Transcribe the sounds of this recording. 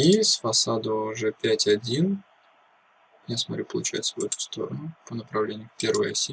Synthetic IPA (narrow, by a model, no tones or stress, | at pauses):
isfɐsad̪əːʐɛpʲætʲɐdʲin | jasmɐt̪ɾʲupəlˠʊt͡ɕæ̰ɪt̪səvɛt̪ʊ̥st̪o̞̰ɾənʊpənəpɾɐvlʲenʲɪjʊpʲe̞ɾvəjɐ̰sʲi